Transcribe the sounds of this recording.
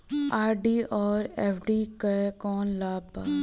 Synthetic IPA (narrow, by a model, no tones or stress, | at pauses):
aːɾɖiːʔɔːɾɛːfʰɖiːkɐekɔːnlaːbaː